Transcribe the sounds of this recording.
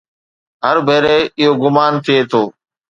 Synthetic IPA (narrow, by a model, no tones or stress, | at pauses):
ɦəɾbʱeːɾeeːɪɦoːɡʊmaːnt̪ʰɪeːt̪ʰoː